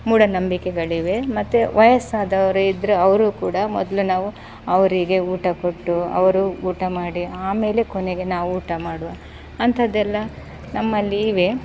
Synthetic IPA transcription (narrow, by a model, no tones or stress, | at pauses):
muːɽɐnɐmbikɛɡɐɭiʋe̞mɐt̪ːuʋɐjɐsaːd̪ɐʋɐɾuid̪ɾuɐʋɐɾuːkuːɽɐmɔd̪lunaːʋu | ɐʋɐɾiɡe̞uːʈɐkoʈːuɐ̰ʋɐɾuuːʈɐmaːɽiaːme̞ːle̞koneɡe̞naːʋuuːʈɐmaːɽuʋɐ | ɐnt̪ʰɐd̪ːɛlːɐ | nɐmːɐlːiːʋe̞